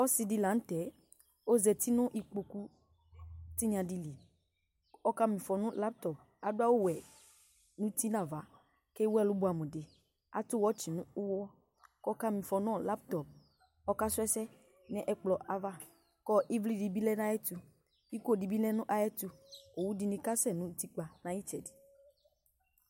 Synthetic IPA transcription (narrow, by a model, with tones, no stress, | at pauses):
ɔ˦si˨di˨lã˨n̩˦t̪ɛ˨ | o˦zɛ˨t̪i˦nʊ̃˦ʔi˨k͡po˨ku˦ | ti˦ɲ˦ã˨di˨li˨ | ɔ˦ka˦mĩ˨fɔ˨nʊ̃˦la˦p̚t̪ɔ˨p̚ | a˨dʊ˦a˦wo˦wɛ˨ | nũ˦t̪i˦nã˨va˨˦ | ke˦wɛ˦˨lʊ˨˦bu˨a˨mũ˨de˨ | a̰˦t̪ʊ˦wɔ˦t͡ʃi˨nũ˦u˦wɔ˦ | kɔ˦ka˦mĩ˨fɔ˨nɔ̃˦˨la˦p̚tɔ˨p̚ | ɔ˦ka˦sʊ˦ɛ˦sɛ˦ | nɛ̃˦ʔɛ˨˦k͡plɔ˨ʔa˨va˦ | kɔ˦ʔi˦vli˦˨di˨bi˦lɛ˦n˦a˦ɛ˦tu˧ | i˦ko˦˨di˨bi˦lɛ˦nũ˦ʔa˨jɛ˦tu˧o˨wu˦di˧nĩ˨˦ka˦sɛ˦˨nũ˨˦ti˦k͡pa˨nã˨˦ji˦t͡ʃɛ˨di̥˨